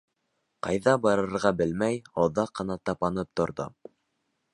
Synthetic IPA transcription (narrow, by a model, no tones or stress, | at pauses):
qɑjðɑbɑɾɤ̆ɾʁɑbɘlmæjowðɑqːɤ̆nɑt̪ɑpɑnɤp̚t̪ŏɾðo̰